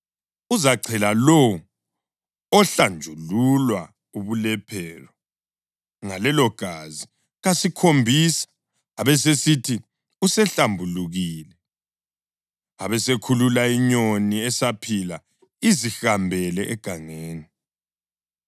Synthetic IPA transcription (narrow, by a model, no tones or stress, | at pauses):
uzaǀʱʰɛlalowu | ɔɬand͡ʒʱululwa | uβulɛpʰɛːrɔ | ŋalɛlɔɡ̥ʱazi | ɣasikʰombʱisḁ | aβɛs̬esitʰi | usɛɬambʱuluɣiːlɛ | aβɛsekʰululaiɲoniɛsapʰila | izixambʱɛlɛʔɛɡ̥ʱaŋeːni